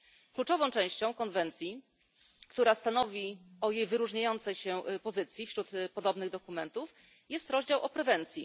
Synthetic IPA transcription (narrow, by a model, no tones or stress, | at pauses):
klut͡ʂɔvɔ̃w̃t͡ʂɛ̃w̃ɕt͡ɕɔ̃w̃kɔnvɛnt̪sʲji | kt̪uɾast̪anɔvʲiɔjejvɘɾuʐɲajɔnt̪sɛjɕɛpɔzɘt̪sʲjifɕɾut̪pɔd̪ɔbnɘɣd̪ɔkumɛnt̪uf | jɛst̪ɾɔʑd͡ʑawʔɔpɾɛvɛnt̪sʲjḭ